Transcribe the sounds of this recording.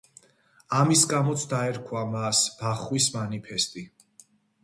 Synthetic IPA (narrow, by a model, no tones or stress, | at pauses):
amisɡamɔt̪sʰd̪aɛɾkʰwamasb̥aχwismanipʰɛst̪ʼi